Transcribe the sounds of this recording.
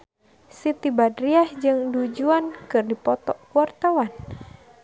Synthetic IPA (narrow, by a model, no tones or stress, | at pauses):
sit̪ibadɾiahd͡ʒɨŋdud͡ʒuankɨrdipɔt̪ɔkuart̪awan